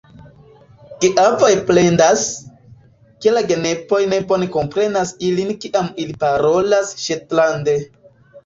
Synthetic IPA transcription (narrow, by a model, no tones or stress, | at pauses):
kiʔavojple̞ndas | ke̞laɡe̞ne̞po̞jne̞bo̞ne̞ko̞mpɾe̞nasilinkiʔamilipaɾo̞lasʃetlande̞